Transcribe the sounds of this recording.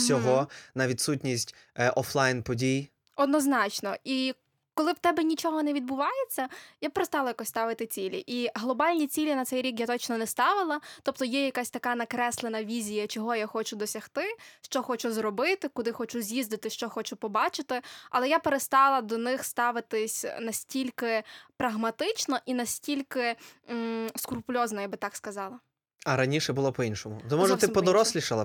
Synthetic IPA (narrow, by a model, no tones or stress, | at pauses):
sʲɔɦɔnɐʋʲid̪sutʲnʲisʲtʲ | ɔflˠajnpɔdʲij | ɔd̪nɔznɑt͡ʃnɔi | kɔlˠɪwt̪ɛbɛnʲit͡ʃɔɦɔnɛʋʲid̪̚bʊʋɑjet͡sʲːɐjapeɾest̪ɑlˠɐjakɔsʲt̪ɑʋɪt̪ɪt͡sʲilʲḭʔiɦlˠɔbɑlʲnʲit͡sʲilʲinɐt̪sɛjɾʲikjat̪ɔt͡ʃnɔnɛst̪ɑʋɪlˠɐt̪ɔpt̪ɔjɛjɐkasʲt̪ɐkɑnɐkɾɛslˠenɐʋʲizʲijɐt͡ʃɔɦɔjaxɔt͡ʃʊd̪ɔsʲɐxt̪ɪʃt͡ʃɔxɔt͡ʃuzrɔbɪt̪ɪkʊd̪ɪxɔt͡ʃuzʲjizd̪ɪt̪ɪʃt͡ʃɔxɔt͡ʃʊpɔbɑt͡ʃɪt̪ɪɐ̰lˠɛjapeɾest̪ɑlˠɐd̪ɔnɪxst̪ɑʋɪt̪ɪsʲnɐsʲtʲilʲkɪpɾɐɦmɐt̪ɪt͡ʃnɔʔinɐsʲtʲilʲkɪ | skʊrpʊlʲɔznɔjabɪt̪ɑkskɐzɑlˠɐ | ɐɾɐnʲiʃɛbʊlˠɔpɔinʃɔmʊ̰t̪ɛmɔʒɛtt̪ɪpɔd̪ɔɾɔsʲlʲiʃɪlˠɐ̰